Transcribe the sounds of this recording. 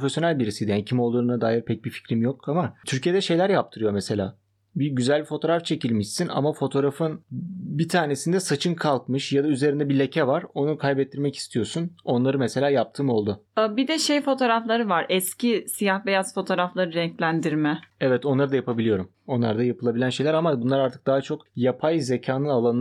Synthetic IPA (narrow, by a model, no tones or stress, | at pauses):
ofesjonælʲbiɾisid̪ijanicʰimo̞lˠuɾɯnad̪aːjiɾpʰɛc̚bifi̥cɾimjokamat̪ʰyɾcʰijed̪ɛʃe̞jlʲæɾjap̚t̪ʰɯɾɯjo̞mɛse̞lʲa̰ː | biɟyzælʲbifo̞t̪ʰo̞ɾaft͡ʃʰe̞cilʲmiʃsina̰mafo̞t̪ʰo̞ɾafɯnbit̪ʰaːne̞sind̪ɛsat͡ʃʰɯnkʰalˠkmɯʃjad̪ayze̞ɾind̪ɛbilʲecʰɛvaɾo̞nukʰajbɛt̪ːiɾmɛci̥st̪ʰijo̞suno̞nlˠaɾɯmɛse̞lʲaːjap̚t̪ʰɯːmo̞lˠd̪ʊbid̪ɛʃejfo̞t̪ʰo̞ːɾaflˠaɾɯvaɾɛscisijahvejaz̥fo̞t̪ʰo̞ːɾaflˠaɾɯɾɛɲclʲænd̪iɾmɛɛvɛt̪ʰo̞nlˠaɾɯd̪ajapʰabilʲijo̞ɾum | o̞nlˠa̰ɾd̪ajapʰɯlˠabilʲænʃe̞jlʲæɾamabunlˠaɾaɾt̪ʰɯ̥k̚d̪aɦat͡ʃʰo̞kjapʰajze̞cʰaːnɯnalˠanɯ